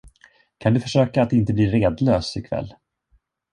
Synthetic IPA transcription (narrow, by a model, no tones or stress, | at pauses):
kʰand̪ɵfœʂøːkaːt̪ɪnt̪əbliːɾeːd̪løːsɪkʰvɛ̰lː